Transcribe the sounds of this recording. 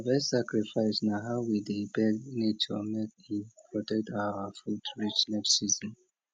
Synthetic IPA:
vɛssakɹifaɪsnaɦawidebɛnitʰumɛt̚ipʰɹɔtɛk̚taəfutɹit͡ʃnɛfsizə̃n

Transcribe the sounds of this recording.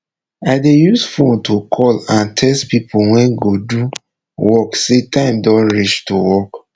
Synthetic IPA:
aɪdejusfõntʰokʰɔlãntʰɛstpipuwɛ̃nɡodu | wɔksetãɪ̃mdɔ̃nɹit͡ʃtuwɔk

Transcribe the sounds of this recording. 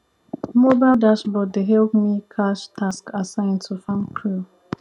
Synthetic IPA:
mobaɪldasbɔt̚deɦɛlpmikʰaʃtʰaskasãɪ̃ntʰufãnkʰɹu

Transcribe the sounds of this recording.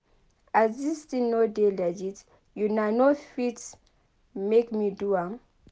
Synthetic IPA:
azistinodelad͡ʒit | junanofit | mekmiduam

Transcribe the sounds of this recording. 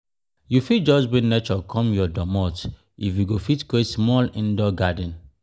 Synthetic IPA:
jufid͡ʒɔsbĩnet͡ʃɔkʰɔ̃mjɔdɔmɔt | ifjuɡofitkesmɔlĩndɔɡadɛ̃n

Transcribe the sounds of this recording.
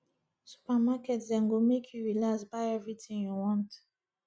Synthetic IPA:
su̥pɛmakɛtzɛ̃ŋɡomekʰuɹilasbaɛvitʰĩŋjuwɔ̃nt

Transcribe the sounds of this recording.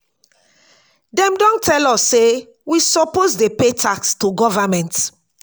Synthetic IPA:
dɛ̃mdɔ̃ntɛlɔsːe | wisɔposdepetʰakstuɡɔvamɛ̃nt

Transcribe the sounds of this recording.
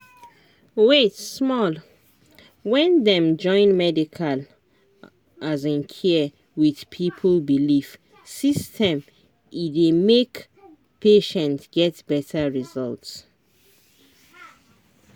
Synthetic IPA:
wetsmɔl | wɛ̃ndɛ̃md͡ʒɔ̃ɪ̃nmɛdikʰal | ʔazĩnkʰɛ | wið̥pʰipʰəlbilif | sistʰɛ̃m | idemek | pʰeʃɛ̃ntɡɛtb̥ɛtʰaɹizɔlts

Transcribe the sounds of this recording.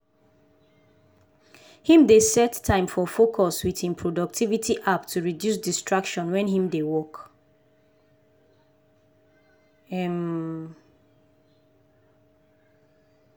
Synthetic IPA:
hĩmdesɛtʰːãɪ̃mfɔfokʰɔswiðĩnpʰɹodɔk̚tʰivitʰiʔaptʰuɹidjus̬distɹakʃɔ̃nwɛ̃nhĩmdewɔk | ɛm

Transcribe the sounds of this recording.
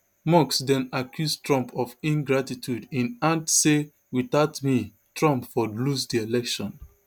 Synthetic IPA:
mɔksdɛ̃nakʰjustɹɔ̃mpʰɔvĩnɡɹatitʰjudĩnãntse | wiθaʊtmi | tɹɔ̃mpfɔlusdielɛkʃɔ̃n

